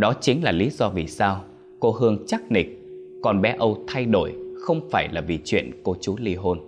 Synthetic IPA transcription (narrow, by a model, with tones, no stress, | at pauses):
ɗɔ˨˦t͡ɕï˨˦ŋ̟laː˨˩li˨˦zɔ˧vi˨˩saː˧w | ko˧ɦɨ˧əŋt͡ɕaː˦˥k̚nï˨˩k̚kɔ˨˩nɓɛ˨˦ʔə˧wt̪ʰa˧jɗo˧˩jxə˧wŋ͡mfaː˧˩jlaː˨˩vi˨˩t͡ɕwḭ˧˨ənko˧t͡ɕu˨˦li˧ɦo˧n